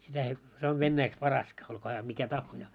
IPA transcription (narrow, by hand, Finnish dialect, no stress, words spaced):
sitæ ei se oʋ ʋenːæiks pɑrɑskɑ olkoː hæː mikæ tɑhːojɑː